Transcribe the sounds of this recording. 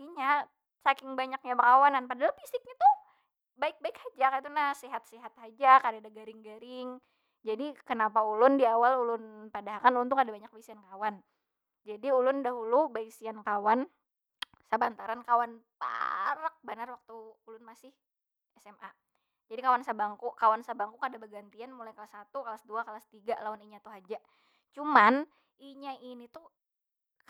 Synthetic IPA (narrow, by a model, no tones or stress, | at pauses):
iɲa | sakɪŋbaɲak̚ɲabəkawananpadalpisɪk̚ɲat̪u | baɪk̚baɪkhad͡ʒakait̪unasiɦat̪̚siɦat̪̚had͡ʒakadadaɡaɾɪŋɡaɾɪŋ | d͡ʒadikənapaulʊndiawalulʊnpadaɦakanulʊnt̪uŋadabaɲak̚baisiankawan | d͡ʒadiulʊndaɦulubaisiankawan | səbant̪aɾankawanpa̰ɾək̚banarwak̚t̪uːlʊnmasɪh | ɛsɛma | d͡ʒadikawansabaŋkukawansabaŋkukadabəɡant̪ianmulajkalasat̪ukalasduakalast̪iɡalauniɲat̪uɦad͡ʒa | t͡ʃuman | iɲaʔinit̪u